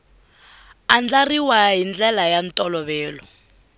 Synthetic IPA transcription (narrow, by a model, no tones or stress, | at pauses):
and͡ɮariwaɦind͡ɮɛlajantʼɔlɔβɛːlɔ̰